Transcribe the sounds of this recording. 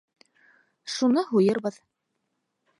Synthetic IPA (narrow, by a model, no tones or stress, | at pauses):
ʃunɤɦujɤɾβɤð